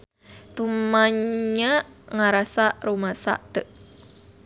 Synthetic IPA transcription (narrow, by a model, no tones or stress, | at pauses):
t̪umaɲaŋaɾasaʔɾumasa̰ʔt̪əʔ